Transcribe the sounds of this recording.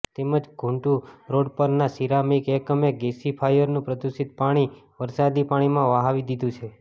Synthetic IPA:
t̪eməd͡ʒɡʱũɳʈũɾoɽpəɾnasiɾamikekəmeɡesipʰajəɾnũpɾəd̪usit̪̚paɽ̃iʋəɾsad̪ipaɽ̃imãʋaɦaʋid̪id̪ũt͡ʃʰe

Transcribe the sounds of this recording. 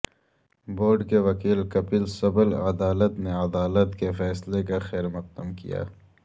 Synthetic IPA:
boːɾɖkeʋɐkiːlkɐpiːlsɐbəlɐd̪aːlət̪neɐd̪aːlət̪kefɛːslekaxɛːɾmɐq̪̚əmkḭja̰ː

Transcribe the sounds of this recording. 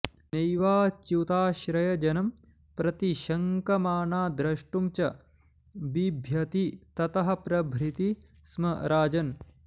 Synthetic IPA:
nejʋaːt͡ʃut̪aːʃɾɐjɐd͡ʒɐnɐm | pɾɐt̪iʃɐŋkɐmaːnaːd̪ɾɐʂʈumt͡ʃɐ | bibʱjɐt̪it̪ɐt̪ɐɦɐ̆pɾɐbʱɾit̪i | smɐɾaːd͡ʒɐn

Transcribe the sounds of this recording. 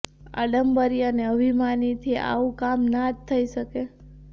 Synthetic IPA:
a̰ɖəmbəɾiəneəbʱimanit̪ʰia̰ʋũkamnatt̪ʰːəiʃəke

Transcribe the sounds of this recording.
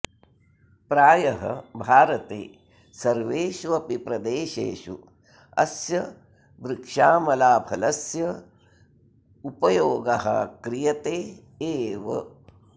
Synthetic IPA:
pɾaːjɐɦɐ̰bʱaːɾɐt̪ḛː | sɐɾʋeːʃuɐpipɾɐd̪eːʃḛːʃṵ | ɐ̰sjɐ | ʋɾɪkʂaːmɐlaːbʱɐlɐsjɐ | upɐjoːɡɐɦɐ̰kɾijɐt̪eː | eːʋɐ̰

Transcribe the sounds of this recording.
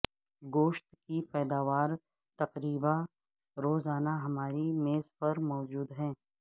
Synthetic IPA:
ɡoːʃt̪kipɛːd̪aːʋaːɾ | t̪ɐqɾiːba | ɾoːzaːnaɦɐmaːɾimeːzpɐɾmɔːd͡ʒuːd̪ɦɛ̃ː

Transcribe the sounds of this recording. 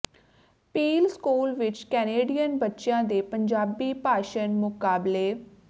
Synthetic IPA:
piːlskuːlʋɪt͡ʃkɛːneːɖijənbətːʃjãːd̪eːpəɲd͡ʒaːbiːpaːʃənmʊkaːbleː

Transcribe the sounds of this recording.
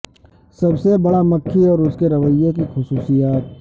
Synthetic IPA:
sɐbsebɐɽamɐkʰːiɔːɾʊskeɾɐʋəjːek̬ixʊsuːsijaːt̪̚

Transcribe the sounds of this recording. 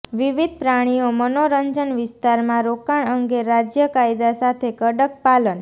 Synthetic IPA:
ʋiʋid̪̚ʱpɾaɽ̃ijomənoɾəɲd͡ʒənʋɪst̪aɾmãɾokaɳəŋɡeɾad͡ʒjəkajd̪asat̪ʰekəɽək̚palən

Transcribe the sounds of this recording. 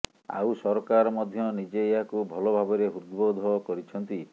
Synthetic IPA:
a̰wsɔɾɔkaɾɔmɔd̪ʱjɔnid͡ʒeːɦakubʱɔlobʱabɔɾeɦud̪bod̪ʱɔkɔɾit͡ʃʰɔnt̪i

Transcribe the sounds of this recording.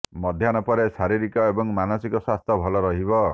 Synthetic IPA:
mɔd̪ʱjanɔpɔɾesaɾiɾikɔebɔŋmanɔsikɔswast̪ʰɔbʱɔlɔɾɔɦibɔ

